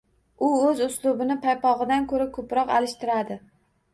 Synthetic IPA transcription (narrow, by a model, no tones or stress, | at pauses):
ʊɵzʊslˠʊbɪnɪpʰajpɒʁɨd̪ankʰɵɾakʰɵpɾɒqa̰lɪʃt̪ɪɾad̪ɪ